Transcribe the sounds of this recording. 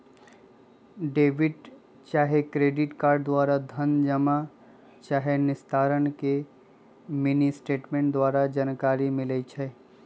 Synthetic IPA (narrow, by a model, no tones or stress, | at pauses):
ɖeːʋɪɖ | t͡ʃaːɦekɾeːɖɪʈkaːɾɖ̚d̪waːɾad̪ʱənd͡ʒəma | t͡ʃaːɦenɪst̪ʰaːɾənke | minisʈeːʈmẽːɳʈd̪waːɾad͡ʒaːnkaːɾimɪlet͡ʃʰɛː